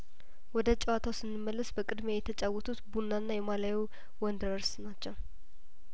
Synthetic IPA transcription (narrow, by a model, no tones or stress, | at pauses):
wɔd̪ət͡ʃʼɛwat̪ʰawsɨnːɨmːəlːəsbəkʼɨd̪mejɛt̪ʰət͡ʃʼawːɔt̪ʰut̪bunːanːajɛmalawiw | wɔnd̪əɾəɾsnat͡ʃːɛw